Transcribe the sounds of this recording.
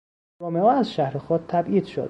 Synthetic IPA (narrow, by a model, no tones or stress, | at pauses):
ɾoːmeɒːæzʃæhɾexɔːd̪̚t̪ʰːæbʔiːd̪̥ʃo̰d̪̚